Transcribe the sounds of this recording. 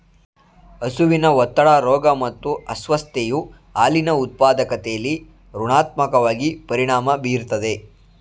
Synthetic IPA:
ɐsuʋinɐʋɔt̪ːɐɭaːɾɔːɡɐmɐt̪ːuɐsʋɐst̪eju | aːlinɐut̪̚paːd̪ɐkɐt̪ɛjɐlːi | ɾuɳaːt̪̚mɐkɐʋaːɡipɐɾiɳaːmɐbiːɾt̪ɐd̪e̞

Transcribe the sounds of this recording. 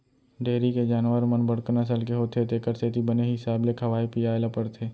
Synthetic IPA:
ɖeːɾiked͡ʒaːnʋəɾmənbəɽknas̬əlkeɦoːt̪et̪eːkəɾsʰeːt̪ibəneɦɪsaːblekʰɐʋaːipijaːjlapəɽt̪ʰeː

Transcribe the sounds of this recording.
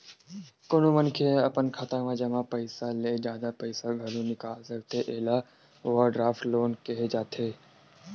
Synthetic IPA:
kʊnomənkʰeɐpənkʰət̪ãmẽd͡ʒɐmãpɐɪsaled͡ʒjaːd̪apɐɪsaɡʱɐlonɪkazəɾt̪ʰeʔeːla | ʋaɖɾaːfʈloːnkeɦed͡ʒaːt̪ʰeː

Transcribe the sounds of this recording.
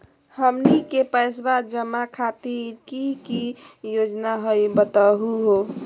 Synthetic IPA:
həmnikepəjsbad͡ʒəmakʰat̪iɾkikijod͡ʒnaɦəjbət̪aɦuɦo

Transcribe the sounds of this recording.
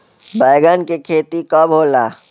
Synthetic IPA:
bəːɡənkekʰeːt̪ikabɦoːlaː

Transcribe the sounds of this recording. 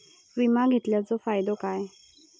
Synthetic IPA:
ʋimaɡʱet̪ljat͡sɔfajd̪okaj

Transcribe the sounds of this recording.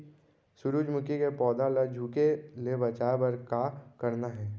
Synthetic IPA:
sʊɾuːd͡ʒmʊkikepɔːd̪alad͡ʒʱuːkelebɐt͡ʃaːebɐɾkakɐɾnaɦɛː

